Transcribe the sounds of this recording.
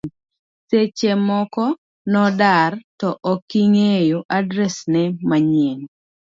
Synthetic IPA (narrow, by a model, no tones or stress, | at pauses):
set͡ʃemɔkɔ | nɔdartɔʔɔkiŋejoʔadɾɛsnɛmaɲeŋ